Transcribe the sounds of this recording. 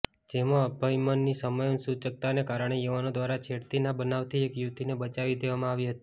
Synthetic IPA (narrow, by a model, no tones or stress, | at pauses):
d͡ʒemãəbʱaimənːisəməjonsut͡ʃək̚t̪anekaɾəɳ̃ejuʋanod̪ʋaɾat͡ʃʰeɽt̪inabənaʋt̪ʰiekjut̪inebət͡ʃaʋid̪eʋamãaʋiɦət̪i̥